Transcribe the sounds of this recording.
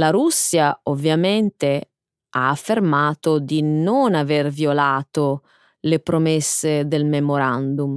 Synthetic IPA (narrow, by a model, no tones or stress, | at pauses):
laɾusːjaovːjament̪e | a̰ːfːermaːt̪od̪inonavervjolaːt̪o | lepɾomesːed̪elmemoɾand̪um